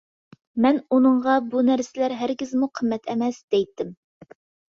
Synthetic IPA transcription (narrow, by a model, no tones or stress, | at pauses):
mɛnunɨɴʁɑbunæɾsɪlæɾɦæɾɡʲɪzmuqʰəmːɛt̪ʰɛmɛsd̪̥ɛjt̪ːɪm